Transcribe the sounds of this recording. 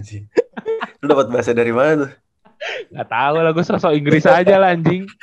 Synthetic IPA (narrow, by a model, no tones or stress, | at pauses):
si | udapət̪̚baas̬adaɾimanat̪ʊ | ŋat̪aulaɡusɔsɔiŋɡɾɪsad͡ʒalaɲd͡ʒɪŋ